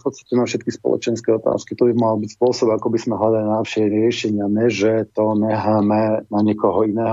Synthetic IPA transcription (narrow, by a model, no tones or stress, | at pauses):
fpɔt̪t͡sst̪acɛnafʃɛt̪kispɔ̰lˠɔ̰t͡ʃɛnskɛːɔt̪a̰ːskit̪ɔbimalbicspʊɔsɔbakɔbizmɛɦlad̪alinaʃɛɾɪɛʃɛɲɪamɛʒɛt̪ɔnɛɦamɛnaɲɛkɔɦɔinɛːɦɔ